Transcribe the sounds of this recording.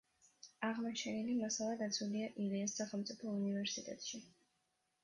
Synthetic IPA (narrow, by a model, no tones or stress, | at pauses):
aʁmɔt͡ʃʰɛnilimasalˠad̪at̪sʰwuliaʔiliɛsːaχɛlˠmt̪sʼipʰɔunivɛɾsit̪ʼɛ̰t̪ʼʃi